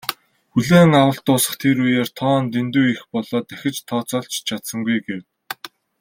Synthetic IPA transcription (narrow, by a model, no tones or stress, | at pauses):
xuɮeːŋawə̆ɬt̪ʊːsə̥̆χt̪ʰeɾujeːrt̪ʰɔːnt̪ent̪uːixpɔɮɔːt̪æxʲɪ̆t͡ɕt̪ʰɔːt͡sɔːɬt͡ɕt͡ɕʰat̪sə̆ŋɡujɡew